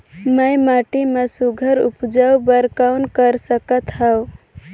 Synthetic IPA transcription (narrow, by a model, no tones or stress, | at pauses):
məjmaʈimesuɡʱəɾṵpd͡ʒawbəɾkaʊnkəɾsəkət̪ɦəw